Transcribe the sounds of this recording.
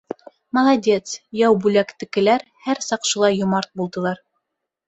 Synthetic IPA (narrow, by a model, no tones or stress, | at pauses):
mɑlˠɑdʲe̞t̪sjɑwbʉlækt̪ɘ̆kɘ̆læɾhæɾsɑqʃŭlˠɑjːŏmɑɾt̪̚bulˠd̪ɤ̆lˠɑɾ